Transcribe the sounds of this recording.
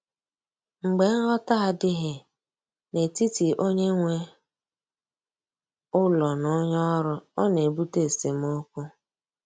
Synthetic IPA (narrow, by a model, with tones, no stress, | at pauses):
ŋ͡m̩˨ɡ͡be˨ŋ̩˦ɦɔ˦ta˦a˨dɪ˦ɦe˨ | ne˨ti˦ti˨ʔo˦ɲe˦ŋʷe˦ | ʊ˦lɔ˨nʊ˦ɲɔ˦ɾʊ˦ɔ˦ne˨bu˦te˦˨se˨m˦o˦kʊ˦